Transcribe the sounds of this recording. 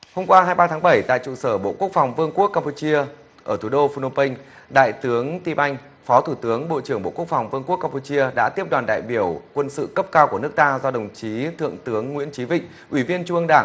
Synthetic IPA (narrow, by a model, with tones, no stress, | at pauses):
ho˧ŋ͡mkwaː˧haː˧jɓaː˧t̪ʰaː˨˦ŋɓə˧˩jt̪a̰ː˧˨jt͡ɕṵ˧˨səː˧˩ɓo̰˧˨ku˦˥ək̚fa˨˩wŋ͡mvɨ˧əŋku˦˥əkːaː˧mpu˧t͡ɕi˧ə | ʔəː˧˩t̪ʰu˧˩ɗo˧fu˧no˧pï˧ŋ̟ɗa̰ː˧˨jt̪ɨ˨˦əŋt̪i˧ʔa˧jŋ̟ | fɔ˨˦t̪ʰu˧˩t̪ɨ˨˦əŋɓo̰˧˨t͡ɕɨ˧˩əŋŋ͡mɓo̰˧˨ku˦˥ək̚fa˨˩wŋ͡mvɨ˧əŋku˦˥əkːa˧mpu˧t͡ɕi˧əɗa̰ː˧˥t̪i˦˥əp̚ɗwaː˨˩nɗa̰ː˧˨jɓi˧˩əwkwə˧nsɨ̰˧˨kə˦˥p̚kaː˧wku˧˩ənɨ˦˥ək̚t̪aː˧zɔ˧ɗə˨˩wŋ͡mt͡ɕi˨˦t̪ʰɨ̰˧˨əŋt̪ɨ˨˦əŋːwḭ˧˥ənt͡ɕi˨˦vḭ̈˧˨ŋ̟ʔwi˧˩vi˧ənt͡ɕu˧ʔə˧ŋɗaː˧˩ŋ